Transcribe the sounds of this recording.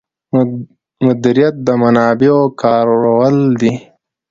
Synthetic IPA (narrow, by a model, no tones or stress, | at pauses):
mʊd̪iɾijat̪̚d̪əmanɑːbeokɑːɾawəld̪i